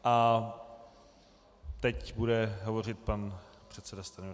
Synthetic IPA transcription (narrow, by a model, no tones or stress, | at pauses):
ʔa | t̪ɛcbudɛɦovo̞rɪt̪̚panpr̝̥ɛt̪sɛdast̪an